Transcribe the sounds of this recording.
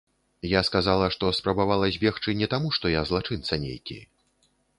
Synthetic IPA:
jaskazalˠɐʂt̪ɔspɾɐbavalˠɐzʲbʲɛxt͡ʂɨnʲɛt̪amuʂt̪ɔjazlˠat͡ʂɨnt̪sɐnʲḛjkʲḭj

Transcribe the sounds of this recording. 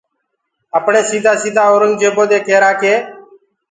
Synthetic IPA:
əpɳeːsiːd̪ʱaːsiːd̪ʱaːoːɾʊnd͡ʒeːboːd̪eːkʰeːɾaːkʰeː

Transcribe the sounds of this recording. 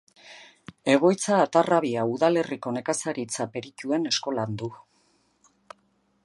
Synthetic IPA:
e̞ɣ̞o̞jt͡saːt̪araβiauðale̞riko̞ne̞kasaɾit͡sape̞ɾicue̞ne̞sko̞land̪u

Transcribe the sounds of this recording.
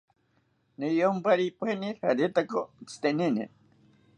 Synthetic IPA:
nijompaɾipwenihaɾet̪akot͡sʰi̥t̪eninḭ

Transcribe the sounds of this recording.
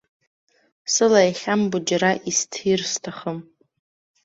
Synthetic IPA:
sɨlaiχʲambʊd͡ʒaɾaʔistʰirstʰaχəm

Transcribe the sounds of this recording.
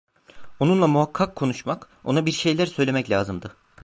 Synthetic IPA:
o̞nunlˠamuɦakʰːakʰːo̞nuʃmak | o̞̰nabiɾʃe̞jlʲæɾsø̞jlʲe̞mɛclʲaːzɯmd̪ɯ

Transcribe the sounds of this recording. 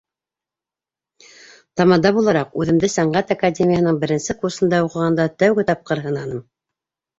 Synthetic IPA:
t̪ɑmɑnd̪ɑbulˠɑɾɑqʉðɘ̆md̪ɘsæɴɢæt̪akadʲemʲɪjahɤ̆nɤɴbɘ̆ɾɘ̆nsɘkuɾsɤ̆nd̪ɑuqɤ̆ʁɑnd̪ɑt̪æwɡɘt̪ɑp̚qɤɾɦɤ̆nɑnɤm

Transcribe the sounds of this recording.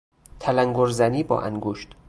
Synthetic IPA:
t̪ʰælæŋɡoɾzæniːbɒ̰ːʔæ̰ŋɡoːʃt̪

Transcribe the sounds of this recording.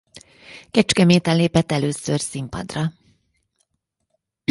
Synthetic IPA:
kɛt͡ʃkɛmeːt̪ɛleːpɛt̪ːɛløːsørsimpɒ̰d̪rɒ

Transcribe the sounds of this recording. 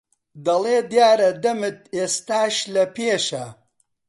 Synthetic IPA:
d̪ɐlˠeːd̪jaːɾɐd̪ɐmɨt̪̚eːst̪aːʃlɐpeːʃɐ

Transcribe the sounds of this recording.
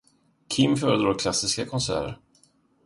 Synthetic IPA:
kʰɪmːfœːɾəd̪ɾoːkʰlasɪskakʰɔnsæ̰ːɾə̰ɾ

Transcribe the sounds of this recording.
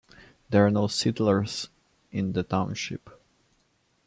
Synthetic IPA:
d̪ɛ˞anoʊsɪtl̩əɹz | ɪ̃nd̪ətãʊ̃nʃɪ̰p

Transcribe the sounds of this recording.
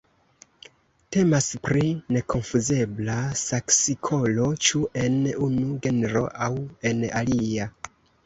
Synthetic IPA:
te̞maspɾine̞kʰo̞nfuze̞blasaksikʰo̞lo̞t͡ʃuʔe̞nunuɡe̞neɾo̞̰ʔawe̞nalia

